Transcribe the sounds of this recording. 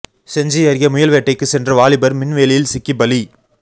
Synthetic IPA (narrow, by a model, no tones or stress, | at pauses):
sɛɲd͡ʒɪjɐɾɣɪjɐmʊjɐlʋeːʈːɐɪkːɯsɛndrɐʋaːɭɪbɐɾmɪnʋeːlɪjɪlsɪkːibɐli